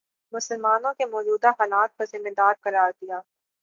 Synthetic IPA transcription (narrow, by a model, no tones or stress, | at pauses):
mʊsəlmaːnõkemɔːd͡ʒuːd̪aɦaːlaːt̪̚pɐɾzɪmːed̪aːɾkɐɾaːɾd̪ijaː